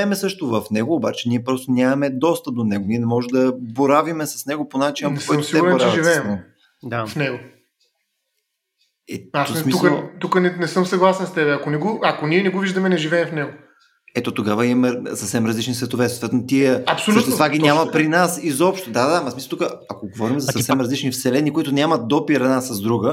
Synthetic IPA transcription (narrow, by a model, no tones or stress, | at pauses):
ɛmɛsɤʃt̪ovɐfnɛɡoːbat͡ʃɛniɛpɾɔst̪onʲamɐmɛd̪ɔst̪əd̪onɛɡoniɛnɛmɔʒɛd̪ɐboɾavimɛsɐ̥snɛɡoponat͡ʃinəpkɔjtmssiɛɡuɾbɛnoɾt͡ʃaɛvʒivɛsːmnɛɡo | d̪afnɛɡo | ɛassmiukt̪ukənɛnɛsəmsɐɡlˠasɛnst̪ɛbɛɐkonɛɡoɐkoniɛnɛɡoviʒd̪ɐmɛnɛʒivɛːmfnɛɡo | ɛt̪ot̪oɡavəimɐmɛsəfsɛmɾəzlit͡ʃnisvɛt̪ovɛt̪sot̪vɛt̪onot̪iəɐpsolut̪ɛt̪vaɡinʲamɐpɾinasizɔpʃt̪od̪ad̪ad̪amɐsmislˠt̪ukəɐkoɡovɔɾimzɐsɐfsɛmɾɐzlit͡ʃnifsɛlɛnikoit̪ʊnʲjamət̪̚d̪ɔpiɾɐd̪nasɐzd̪ɾuɡə